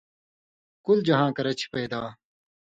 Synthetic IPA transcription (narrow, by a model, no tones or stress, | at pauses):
kuld͡ʑɐɦãːkɐɾɐt͡ɕʰi̥peːd̪aː